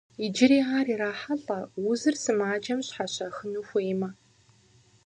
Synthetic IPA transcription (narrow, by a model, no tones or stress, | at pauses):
id͡ʒɪɾiːaːriːɾaːħaɬʼɐwʊzɨrsɨmaːd͡ʒɐmɕħaɕɐxɨnuːxʷejmɐ